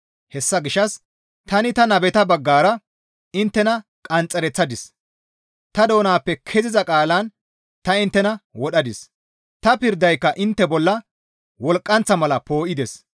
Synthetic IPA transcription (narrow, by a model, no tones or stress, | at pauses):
hɛsːɐɡɪʃːɐs | t̪ɐnɪt̪ɐnɐbɛt̪ɐbɐɡːaːɾɐ | ɪnt̪ːɛnɐkʼɐnt͡sʼːɛɾɛt͡sːɐd̪ɪs | t̪ɐd̪o̞ːnaːpːɛkʰɛzɪzɐkʼaːlɐn | t̪ɐɪnt̪ːɛnɐwɔɗɐd̪ɪs | t̪ɐpɪɾd̪ːɐjkːɐʔɪnt̪ːɛbɔlːɐ | wɔlkʼːɐnt͡sːɐmɐlɐpoːʔɪd̪ɛs